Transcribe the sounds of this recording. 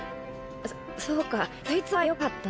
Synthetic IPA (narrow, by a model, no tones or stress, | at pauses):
soːkajait͡sɨβajo̞kat̪ːa